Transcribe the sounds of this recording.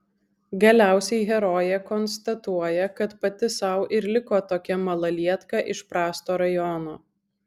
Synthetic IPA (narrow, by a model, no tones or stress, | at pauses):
ɡɐlʲæˑʊsʲɛɪɦʲɛɾɔːjɛkɔnst̪ɐt̪uɔjɛkɐt̪pɐt̪ʲɪsɐʊʔɪɾlʲɪkoːt̪oːkʲɛmɐlˠɐlʲiɛt̪kɑʔɪʃpɾɑːst̪oːɾɐjɔnoː